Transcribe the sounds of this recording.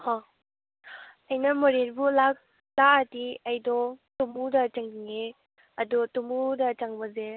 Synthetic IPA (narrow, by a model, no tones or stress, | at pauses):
hɔ | ɐjnɐmɔɾeɾbulak | laatiɐjdɔtumudɐt͡ʃaŋdiŋe | ɐdɔtumudɐt͡ʃaŋbɐze